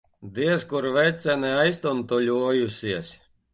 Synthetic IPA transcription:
d̪iɛskuɾvʲɛjt̪sʲænɛajst̪unt̪ulʲuɔjusʲiɛsʲ

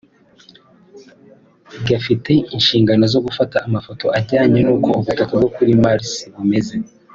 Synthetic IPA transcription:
bɟafite̞inʃiːŋɡano̞zo̞ɡufataːmafoto̞ʔaɟaːɲenuːko̞uβutakub̚ɡo̞kuɾimaɾsiβume̞ze̞

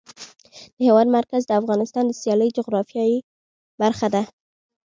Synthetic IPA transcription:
d̪̥əhewɑd̪maɾkazd̪əafɣɑnɪst̪ɑnd̪əsjɑləjd͡ʒʊɣɾɑfjɑji | baɾxad̪a

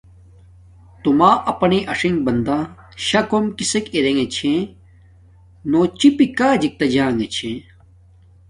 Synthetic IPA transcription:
t̪umaːʔɐpɐneʔɐʂiŋbɐnd̪a | ɕɐkomkisekiɾeŋet͡ɕʰẽ | not͡ɕipikaːd͡ʑik̚t̪ɐd͡ʑaːŋet͡ɕʰẽ

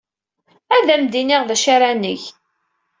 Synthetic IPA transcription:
æðæmd̪iniʁðæʃaɾænəç

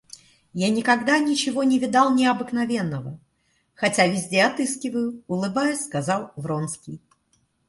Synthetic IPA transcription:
janʲɪkɐɡd̪anʲɪt͡ɕɪvo̞nʲɪvʲɪd̪ɑlˠnʲɪɐbɨknɐvʲe̞nːəvə | xɐtʲavʲɪzʲdʲeɐt̪ɨskʲɪvəjʊʊlˠɨbajʊsʲskɐzɑlˠvɾonskʲɪj

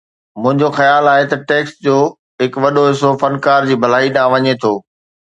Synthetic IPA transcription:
mʊ̃ɦɪ̃ɲd͡ʑoxɐjaːlaːɦet̪ɐʈeːksd͡ʑoː | ɦɪkʋɐɗoɦɪsofɐnkaːɾd͡ʑiːbʱɐl̤aːiɗãːʋɐɲet̪ʰoː

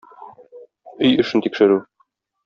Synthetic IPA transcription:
ɵjɵ̆ʃɘ̆nt̪ikʃɘ̆ɾʉ

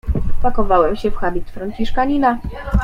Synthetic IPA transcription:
pakɔvawɛmɕɛfxabʲit̪fɾant͡ɕiʂkaɲina

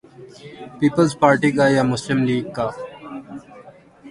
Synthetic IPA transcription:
piːpəlzpaːɾʈikajamʊslɪmliːɡ̚kaː

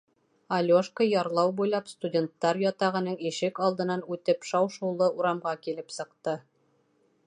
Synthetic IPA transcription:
ɐlʲoʃkəjɑɾlˠɑwbujlˠɑpst̪udʲent̪ːɑɾjɑt̪ɑʁɤ̆nɤɴiʃɘkɑlˠd̪ɤ̆nɑnʉt̪ɘpʃɑwʃɤ̆wlˠɤʔuɾɑmʁɑkilɘpsɤ̆qt̪ɤ

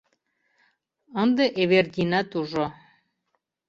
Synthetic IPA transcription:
ɤnd̪ɤʔeβerd̪ʲinɑt̪uʒo

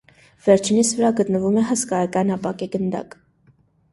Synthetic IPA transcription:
vɛɾt͡ʃʰinit͡svəɾɑɡət̪nəvumɛɦəskɑjɑkɑnɑpɑkɛɡənd̪ɑ̰k

